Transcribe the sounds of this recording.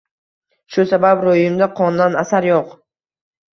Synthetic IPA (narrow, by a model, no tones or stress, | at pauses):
ʃʊsabapɾojɪmd̪aqʰɒnd̪anasaɾjoq